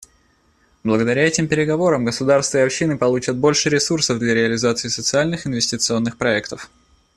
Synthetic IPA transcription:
blˠəɡəd̪ɐɾʲaɛtʲɪmpʲɪɾʲɪɡɐvo̞ɾəmɡəsʊd̪arst̪vəɪɐpɕːinɨpɐlˠut͡ɕət̪̚bo̞lʲʂɨɾʲɪsursəvd̪lʲaɾʲɪɐlʲɪzat̪sɨɪsət̪sɨalʲnɨxɪnvʲɪsʲtʲɪt̪sɨo̞nːɨxpɾɐɛkt̪əf

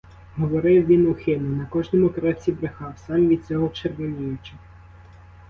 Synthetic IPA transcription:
ɦɔʋɔɾɪwʋʲinʊxɪnʊnɐkɔʒnɔmʊkɾɛst͡sʲibɾɪxɑwsɑmʋʲid̪̚t͡sʲɔɦɔt͡ʃeɾʋɔnʲijʊt͡ʃɐ

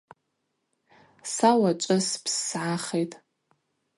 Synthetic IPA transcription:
sawat͡ʃʷʼɨspʰsːʕaχejtʼ

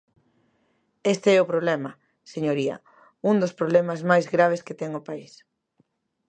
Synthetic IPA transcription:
est̪eɛʊpɾoβlɛmɐ | seɲoɾiɐ̰ | uŋd̪ospɾoβlɛmazmajzɣɾaβ̞esket̪ɛŋopais

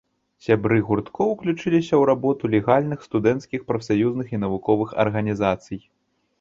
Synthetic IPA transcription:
sʲabɾɨɣurt̪kɔwklʲut͡ʂɨlʲisʲɐwɾabɔt̪ulʲɛɣalʲnɨxst̪ud̪ɛnt̪skʲixpɾɐfsajuznɨxinɐvukɔvɨxɐ̰rɣɐnʲizat̪sɨj

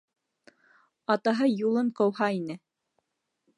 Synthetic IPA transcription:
ɑt̪ɑɦɤjulˠɤmqɤ̆whɑinɘ

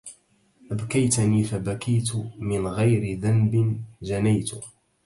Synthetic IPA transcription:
ʔabkajt̪niːfabakajt̪mɪnɣajɾɪðambɪnʒanajt̪ʊ

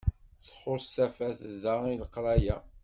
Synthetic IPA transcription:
θχoɾst̪æfæθðailəqɾˤæjæ̰

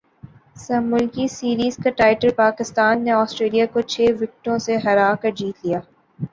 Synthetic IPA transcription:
sɐmʊlkisiːɾiːzkaʈaːɪʈəlpaːkɪst̪aːnːeɔːsʈɾeːlijakot͡ʃʰeːʋɪk̚ʈõseɦɐɾaːkɐɾd͡ʒiːt̪lijaː

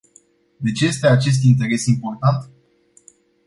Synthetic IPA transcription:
d̪e̞t͡ʃeje̞st̪eat͡ʃe̞s̬t̪int̪̬e̞ɾe̞simport̪ant̪

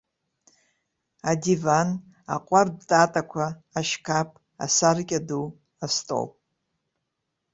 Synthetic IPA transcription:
adivan | a̰qʷʼardtʼatʼakʷʰaːʃkʰapʼ | a̰sarkʲʼadu | astʼo̰wʼ

